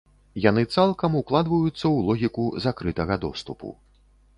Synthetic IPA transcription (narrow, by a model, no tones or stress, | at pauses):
janɨt̪salˠkɐmuklˠad̪vɐjut̪sːɐwlˠɔɣʲikuzakɾɨt̪ɐɣɐd̪ɔst̪upṵ